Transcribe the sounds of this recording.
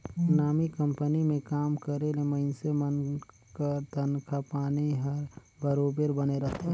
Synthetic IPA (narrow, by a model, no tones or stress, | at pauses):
naːmikə̃mpənimẽkaːmkəɾeleməɪnsemən | kəɾd̪ʱənkʰapaːniɦəɾ | bəɾoːbeɾbəneɾɐɦt̪eɦɛ̃